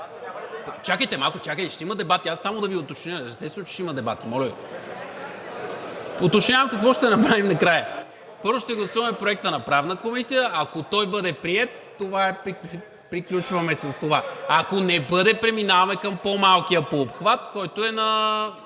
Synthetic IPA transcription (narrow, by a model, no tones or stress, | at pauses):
t͡ʃakəjt̪ɛmalˠkot͡ʃakəjt̪ɛʃt̪ɛiməd̪ɛbat̪iasːamod̪ɐviot̪ot͡ʃnʲəɛɾst̪ɛt̪ɛnʊt͡ʃɛ̥ʃiməd̪ɛbat̪imɔlʲəvḭ | ot̪ot͡ʃɲʲavɐmkɐkvɔʃt̪ɛnɐpɾavimnɐkɾajə | pɤɾvʊʃt̪ɛɡlˠɐsuvɐmɛpɾoɛk̚t̪ənɐpɾavnəkomisijəɐkot̪ɔjbɤd̪ɛpɾiɛt̪̚ːovaɛpɾi | pɾiklʲut͡ʃvɐmɛsɐst̪ovaɐkonɛbɤd̪ɛpɾɛminavɐmɛkəmpomalˠk̟ijəpoːpxvat̪kɔjt̪oɛnɐ